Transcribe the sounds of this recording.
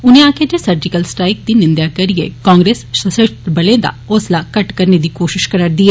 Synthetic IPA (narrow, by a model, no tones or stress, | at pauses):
ʊnẽãːked͡ʒesɐɾd͡ʒɪkəlsʈɾaːɪk̚d̪inɪ̃nd̪jakɐɾɪḛkãːŋɡɾeːsʃɐsɪʃt̪bɐlẽd̪a̰ʊslakɐʈkɐɾned̪iːkoːʃɪʃkɐɾəɾd̪iːɦɛː